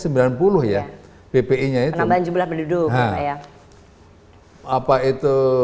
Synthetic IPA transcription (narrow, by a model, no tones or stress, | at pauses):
səmbilanpulʊhja | pepeiɲaəaband͡ʒumblahbədudʊɦãaja | apait̪u